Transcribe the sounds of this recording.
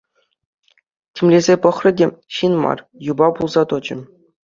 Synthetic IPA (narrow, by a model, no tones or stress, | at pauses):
tʲemʲlʲezʲepɤ̆χrɤ̆dʲeɕinmɑ̰r | jubɑpulˠzɑt̪ɤ̆d͡ʑɘ̆